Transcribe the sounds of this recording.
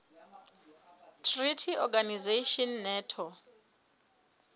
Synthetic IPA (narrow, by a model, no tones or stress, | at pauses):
tʰritʰiɔɡanizeʃɔnːɛːtʰɔ